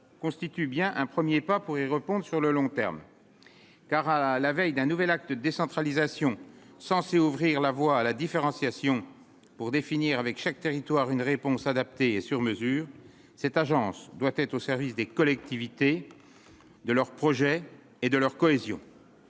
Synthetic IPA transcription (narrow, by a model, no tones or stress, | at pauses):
kɔ̃st̪it̪ybjɛ̃ʔɛ̃pχəmjepapuʁiʁəpɔ̃d̪ʁsyʁləlɔ̃t̪ɛ̰ʁm | kaʁalavɛjd̪ɛ̃nuvɛlak̚t̪d̪esɑ̃t̪χalizasjɔ̃ | sɑ̃seuvʁiʁlavwaːlad̪ifeʁɑ̃sjasjɔ̃ | puʁd̪efiniːʁavɛkʃak̚t̪eʁit̪waʁynʁepɔ̃sad̪ap̚t̪eesyʁməzyːʁ | sɛt̪aʒɑ̃sd̪wat̪ɛt̪χosɛʁvisd̪ekɔlɛk̚t̪ivit̪e | d̪əlœʁpχɔʒɛ | ed̪əlœʁkɔezjɔ̰̃